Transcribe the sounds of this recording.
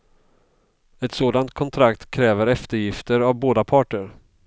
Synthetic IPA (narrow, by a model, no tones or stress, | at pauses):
ɛt̪soːd̪ant̪̚kʰɔnt̪ʰɾakt̪kʰɾɛːvəɾɛft̪əɾjɪft̪əɾavboːd̪apʰɑːʈəɾ